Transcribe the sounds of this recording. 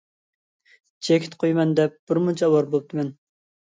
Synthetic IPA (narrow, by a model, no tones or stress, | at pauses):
t͡ʃʰekʲʰi̥t̪qʰojmɛnd̪ɛp̚b̥ɪɾmut͡ʃʰɑwɑɾbolˠp̚t̪ʰɨmɛn